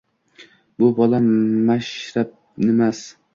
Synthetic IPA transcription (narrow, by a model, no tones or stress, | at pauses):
bʊbɒlamaʃɾap̚ | nɪmas